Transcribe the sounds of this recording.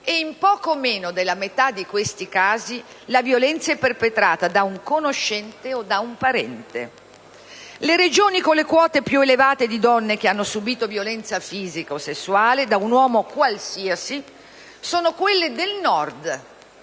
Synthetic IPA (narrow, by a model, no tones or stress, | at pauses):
eimpɔːkomeːnod̪elːamet̪ad̪ːikwest̪ikaːzi | lavjolɛnt̪saɛpːerpet̪ɾaːt̪ad̪auŋkonoʃːɛnt̪eod̪aumpaɾɛ̰nt̪ḛ | leɾed͡ʒoːnikolekwɔːt̪epjuelevaːt̪ed̪id̪ɔnːek̟eanːosubiːt̪ovjolɛnt̪safiːzikaosːesːuaːled̪aunwɔːmokwalsiasi | soːnokwelːed̪elnɔrd̪